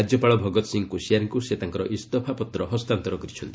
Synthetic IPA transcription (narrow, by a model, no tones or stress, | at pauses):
ad͡ʒjɔpaɭɔbʱɔɡɔt̪ɔ̥siŋkusiaɾŋkuset̪aŋkɔɾɔʔist̪ɔpʰapɔt̪ɾɔɦɔst̪ant̪ɔɾɔkɔɾit͡ʃʰɔnt̪ii